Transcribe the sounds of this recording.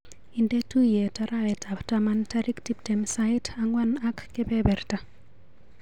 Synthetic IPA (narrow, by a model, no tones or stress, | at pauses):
indetujetaɾaɛtaptamantaɾiktip̚tɛmsaitʰaŋwanakːɪbɛbɛrta